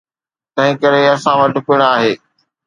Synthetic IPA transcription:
t̪ɐ̃ɦɪ̃kɐɾeɐsãʋɐʈʊpɪɽ̃aːɦeː

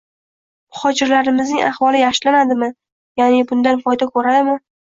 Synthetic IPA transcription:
mʊhɒd͡ʒɪɾlaɾɪmɪznɪŋʔa̰χvɒlˠɪjaχʃlanad̪ɪmɪ | janɪbʊnd̪anfɒjd̪akʰɵɾad̪ɪmɪ

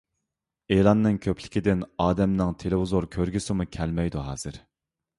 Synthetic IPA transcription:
elˠɑnːɨŋkʲʰøpʰlɪ̥kʲɪd̪ɪnɑːd̪ɛmnɪŋt̪ʰelɪwuzoɾkʲʰøɾɡʲysɪmukʲʰɛlmɛjd̪uɦɑ̰ːz̥ɨɾ

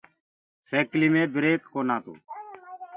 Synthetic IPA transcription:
seːkliːmẽːbɪɾeːkːoːnaːt̪ṵː

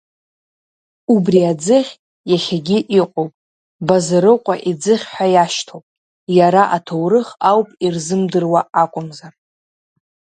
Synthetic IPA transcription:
ubriad͡zɨχʲ | jaχʲaɡʲiʔiqʷʼowpʼ | bazaɾɨqʷʼaʔid͡zɨχʲħʷᶣajaʃtʰowpʼ | jaɾaʔatʰowrɨχawpʼirzɨmdɨrwaakʷʼʊmzar

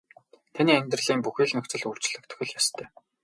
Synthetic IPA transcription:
t̪ʰaniːæmʲt̪rə̆ɮiːmpuxiːɮnɵkt͡sɘ̆ɮur̥t͡ɕɮ̆kt̪ʰɵ̥̆xɘ̆ɮjast̪ʰœː

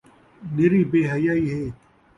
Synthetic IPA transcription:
niɾiːbeːɦɐjaːiːɦeː

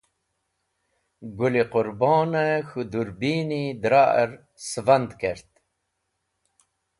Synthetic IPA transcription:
ɡuliqʊɾbɔːnəxud̪uɾbinid̪ɾa̰ɾ | svand̪keɾt̪

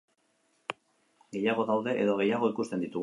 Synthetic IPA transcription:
ɡe̞jaɣ̞o̞t̪awðe̞ʔeðoɣ̞e̞jaɣ̞o̞ikust̪e̞nd̪it̪uɣ

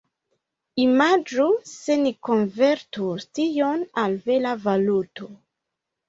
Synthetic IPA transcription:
imad͡ʒusenikonveɾtustijonalvelavaluto

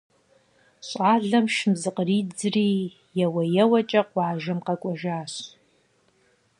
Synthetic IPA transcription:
ɕʼaːɮɐmʃɪmzɨqriːd͡zriː | jɛwɐjɛwɐt͡ʃʼɐqwɑːʒɐmqɐkʷʼɔʒaːɕ

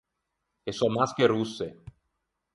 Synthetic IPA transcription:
esɔmaskeɾusːe

